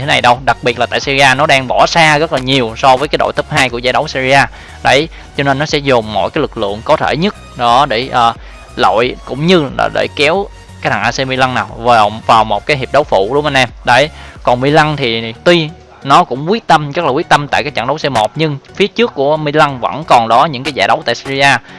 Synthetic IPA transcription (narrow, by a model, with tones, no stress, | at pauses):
tʰe˨˦na˨˩jɗə˧wɗa˨˩k̚ɓi˨˩ət̚la˨˩t̪a̰ː˧˨jsi˧zi˧ʔaː˧nɔ˨˦ɗaː˧ŋɓɔ˧˩saː˧ɣə˦˥laː˨˩ɲi˨˩əwsɔ˧vəː˨˦ka˨˦jɗo̰˧˨jt̪ʰɨ˦˥p̚haː˧jku˧˩əzaː˧˦ɗə˨˦wsi˧zi˧aː˧ | ɗə˧˩j | t͡ɕɔ˧ne˧nːɔ˨˦sɛ̰˧˥zʊ˨˩ŋ͡mːo̰˧˨jkaː˨˦jlɨ˨˩k̚lɨ̰˧˨əŋkɔ˨˦t̪ʰḛ˧˩ɲə˦˥t̚ɗɔ˨˦ɗe˧˩ʔəː˨˩ | lo̰˧˨jkʊ̰˧˥ŋ͡mɲɨ˧la̰ː˨˩ɗḛ˧˩kɛ˨˦w | kaː˦t̪̚ʰaː˨˩ʔaː˧se˧mi˧la˧ŋnaː˨˩wvaː˨˩wvaː˨˩wmo˨˩t̚kaː˨˦jɦi˨˩p̚ɗə˨˦wfṵ˧˨ɗʊ˨˦ŋ͡mʔa˧nʔɛ˧mɗə˧˩jkɔ˨˩nmi˧la˧ŋt̪ʰi˨˩t̪wi˧ | nɔ˨˦kʊ̰˧˥ŋ͡mkwi˦˥ək̚t̪ə˧mzə˦˥laː˨˩kwk̚t̪ə˧mt̪a̰ː˧˨jkaː˨˦k̚t͡ɕa̰˧˩ŋɗə˨˦wse˧mo˨˩t̚ɲɨ˧ŋfi˨˦ət͡ɕɨ˦˥kːu˧˩əmi˧la˧ŋvə̰˧˥nkɔ˨˩nɗɔ˨˦ɲɨ̰˧˥ŋkaː˨˦jzaː˧˩ɗə˨˦wt̪a̰ː˧˨jsi˧zi˧zaː˧